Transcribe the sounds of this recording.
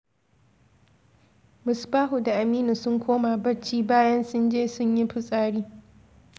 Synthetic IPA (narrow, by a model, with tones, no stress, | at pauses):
mʊ˨sbaː˦ɦu˨da˨ʔa˨miː˦nu˨sʊ˦ŋkʷʰoː˦ma˨bɐ˦t͡ʃːiː˦baː˦jɐ˦nsʊ˦nd͡ʒeː˦sʊ˦ɲji˦ɸʊ˦sʼaː˦ɽiː˦